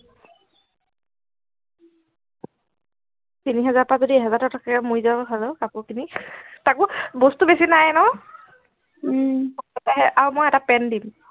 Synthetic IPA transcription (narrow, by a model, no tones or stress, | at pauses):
tiniɦɛzaɹpazodiɛɦɛzatatʰakamujzabɔɦalɛkapɔkinitakʊbostubesinajnɔ | taɦɛʔawmɔjɛtapɛndim